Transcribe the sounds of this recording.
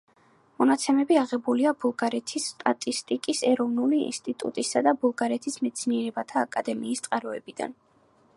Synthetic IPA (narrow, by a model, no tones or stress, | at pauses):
mɔnat̪sʰɛmɛbiaʁɛbuliabulˠɡaɾɛt̪ʰisːt̪ʼat̪ʼist̪ʼikʼisɛɾɔvnuliḭnst̪ʼit̪ʼṵt̪ʼisad̪abulˠɡaɾɛt̪ʰismɛt̪sʰniɛɾɛbat̪ʰaːkʼad̪ɛmiːst̪sʼqʼaɾɔɛbid̪a̰n